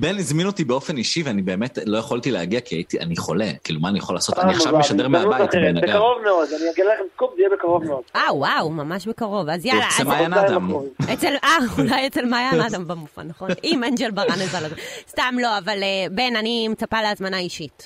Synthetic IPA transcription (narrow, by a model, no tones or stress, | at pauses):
benizmino̞t̪ibeofe̞niʃiveanibe̞eːmetlo̞jaχoltileaɡiakiait̪iʔa̰niχo̞le̞kiːlumaːnijaχo̞laːso̞taniaʃavmeʃadeʁmeauatatbenaɡbekaʁovmeod̪aniaɡelalaχemskutvijebekaʁo̞vmeod̥̪aːawmamaʃbekaʁo̞vazjalaemajanaadmakoiet͡selʔaulajet͡selmajanad̪ambamufa̰naχonnʔimend͡ʒelbaʁanezalazest̪amlo̞avalebe̞nanimet͡sapaleazmanaiʃit